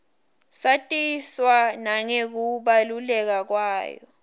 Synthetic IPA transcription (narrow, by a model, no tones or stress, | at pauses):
satʼiswanaŋek̬uɓalulɛk̬ak̬waːjɔ̰